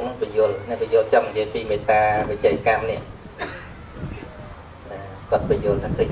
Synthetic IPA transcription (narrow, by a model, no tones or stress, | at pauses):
nəŋpəjʊəlnɛ̆ʔpijʊ̆əlt͡ɕɑŋːijiəjpiːmeːt̪aːʋit͡ɕɛːkamnĭəʔ | ɗalkŏət̪̚p̆əjʊ̆əlt̪ʰaːkʰə